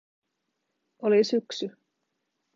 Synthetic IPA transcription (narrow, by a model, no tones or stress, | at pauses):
olisyksy